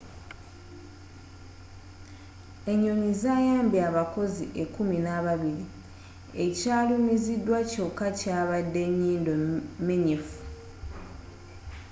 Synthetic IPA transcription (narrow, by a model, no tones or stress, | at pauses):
e̞ɲːoɲizaːjaːmbjaβako̞ziʔe̞kuminaβaβiɾi | e̞caːlumizidːwaco̞kːacaːβadːe̞ɲːiːndomeɲifu̥